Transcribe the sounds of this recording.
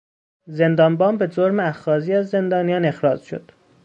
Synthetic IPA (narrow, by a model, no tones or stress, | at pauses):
ze̞nd̪ɒːmbɒːmbe̞d͡ʒoɾmeæxɒːziːæzːe̞nd̪ɒːnijɒːne̞xɾɒːd͡ʒʃo̰d̪̥